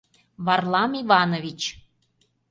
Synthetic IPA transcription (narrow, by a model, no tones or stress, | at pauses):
βɑrlˠɑmiβɑnovʲit͡ɕ